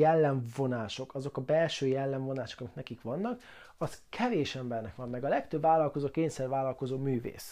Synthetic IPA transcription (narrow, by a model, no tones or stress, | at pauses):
jɛlːɛɱvo̞naːʃo̞kɒzo̞kɒbɛlʃøːjɛlːɛɱvo̞naːʃo̞kɒmiknɛkikʋɒnːɒk | ɒskʰɛveːʃɛmbɛrnɛkʋɒmːɛɡɒlɛkt̪øbvaːlːɒlkozoːkeːɲsɛrvaːlːɒlko̞zoːmyːvḛːs